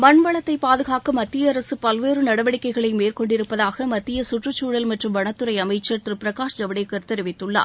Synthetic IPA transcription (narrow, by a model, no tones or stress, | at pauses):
mɐɳʋɐɭɐt̪ːɐɪpaːðɯɣaːkɯmɐt̪ːɪjɐːɾɐsɯpɐlʋeːɾɯnɐɽɐʋɐɽɪkːɐɪɣɐɭɐɪmeːrkɔɳɖɪɾɯpːɐðaːɣɐmɐt̪ːɪjɐsʊʈrɯt͡ʃːuːɽɐlmɐʈrɯmʋɐɳɐt̪ːɯɾɐɪɐmɐɪt͡ʃːɐɾt̪ɾɯpɪɾɐkaːʂd͡ʒɐʋɐɽekːɐrt̪ɛɾɯʋɪt̪ːɯɭːa̰ː